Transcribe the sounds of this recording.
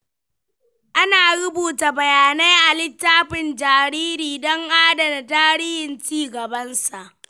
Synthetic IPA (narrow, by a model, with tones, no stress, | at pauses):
ʔa˦naː˨ɽʊ˦buː˨ta˨bɐ˨jaː˨ne˦ʔa˨lɪ˦tːaː˦ɸɪ˨nd͡ʒaː˨ɾiː˦ɾiː˨dɔ˦ŋʔaː˦dɐ˨da˨taː˦ɾiː˦hɪ˨nt͡ʃiː˦ɡɐ˨bɐ˦nsa˨ʔ